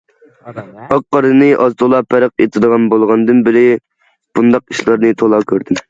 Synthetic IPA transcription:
ɑk̚qːɑɾɨnɨʔɑzt̪ʰolˠɑpʰæɾəqet̪ʰɨd̪əʁɑnbolˠʁɑnd̪ɨnbɪɾɪ | b̥und̪ɑq̚iʃlˠɑɾnɨt̪ʰolˠɑkʲʰøɾd̪ɪm

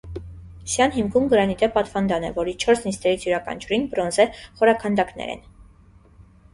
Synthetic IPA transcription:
sjɑnɦimkʰumɡəɾɑnit̪ɛppɑt̪fɑnd̪ɑnɛ̰vɔɾit͡ʃʰɔɾsnist̪ɛɾit͡sʰjuɾɑkʰɑ̰nt͡ʃʰuɾinbɾɔnzɛχɔɾɑkʰɑnd̪ɑknɛ̰ɾɛ̰n

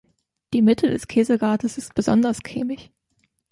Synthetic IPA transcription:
d̥iːmɪtʰədɛskʰeːzəɡaːɐtəsɪst̚b̥əzɔndɐskʰḛːmɪç

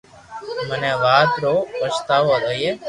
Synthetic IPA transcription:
məneʋaːt̪ɾoəst̪aːʋod̪oje

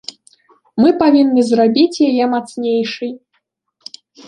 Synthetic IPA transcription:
mɨpavʲinːɨzrabʲit͡sʲjajɛmat̪snʲejʂɨj

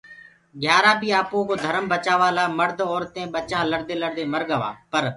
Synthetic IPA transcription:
ɡʱjaːɾãːbʱiːaːpõːkoːd̪ʱəɾəmbət͡ʃaːʋaːlaːməɾd̪ɔːɾt̪ẽːɓət͡ʃãːləɽd̪eːləɽd̪eːməɾɠəʋa̰ːpəɾ

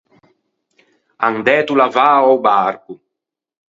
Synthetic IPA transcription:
aŋd̪ɛːt̪ulavaːɔwbaɾku

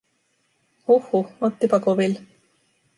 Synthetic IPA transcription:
huhuot̪ːipɑkobil

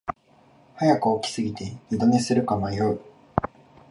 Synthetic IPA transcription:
hajakɯokʲi̥sɨɡʲit̪e̞ɲʲid̪one̞sɨɾɯ̟kamajoi

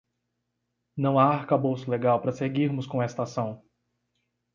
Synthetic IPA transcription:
nɐ̃w̃aaɾkabowsʊleɡawpɾɐseɡiɾmʊskõɛest̪asɐ̃w̃

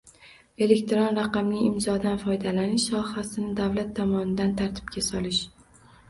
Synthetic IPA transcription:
e̞le̞kʲt̪ʰɾonɾaqɑmlɪɪmzɒd̪anfɒjd̪alanɪʃsɒhasɪnɪd̪avlat̪ʰːɒmɒnɪd̪ant̪ʰaɾt̪ʰɪ̥bkʲʰasɒlɪʃ

